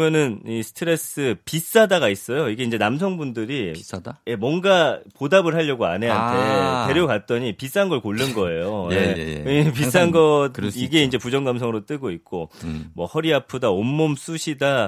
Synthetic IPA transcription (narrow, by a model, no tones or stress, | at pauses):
mjʌnɯnisʰɯ̥tʰɯɾe̞s͈ɯpis͈adaɡais͈ʌjoiɡe̞ind͡ʑe̞nams̬ʰʌŋbundɯɾijemwʌnɡapodabɯɭɦaʎːʌɡoa̰ne̞ɦantʰe̞te̞ɾjokat̚t͈ʌɲipis͈anɡʌɭkoɭːɯnɡʌe̞jojeipis͈anɡʌiɡe̞ind͡ʑe̞pud͡ʑʌŋɡamsʰʌŋɯɾot͈ɯɡoik̚k͈omwʌhʌɾiapʰɯdaomːoms͈uɕʰida